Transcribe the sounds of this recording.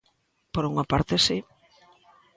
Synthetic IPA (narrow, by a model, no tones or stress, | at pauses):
poɾuŋapaɾt̪esi